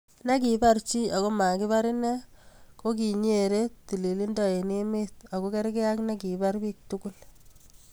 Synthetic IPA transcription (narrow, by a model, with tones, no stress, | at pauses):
na˦k̬i˨ba˦ɾt͡ʃi˦a˨ko˦ma˨kɪ˦βa˦ɾi˦nɛ˦ko˦k̬i˨ɲ˦e˨ɾe˦ti˨li˨li˦ndɔ˨e˨ni˦mɪ˦ta˨ko˦ke˦ɾke˦a˦kna˦ki˨ba˦ɾbi˦k̚tuku˦l